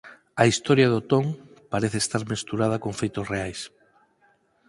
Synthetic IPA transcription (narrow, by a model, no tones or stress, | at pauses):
ɐist̪oɾjaðot̪oŋ | paɾeθest̪aɾmest̪uɾað̞ɐkoɱfejt̪osreajs